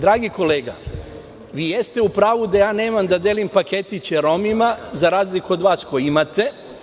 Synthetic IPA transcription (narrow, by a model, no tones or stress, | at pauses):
d̪ɾaːɡiko̞leːɡa̰ | ʋiːje̞st̪e̞upɾaːʋud̪ajaːne̞ːmamd̪ad̪eːlimpake̞t̪it͡ɕeɾo̞mimazaɾaːzlikuod̪ʋaːskojimat̪e̞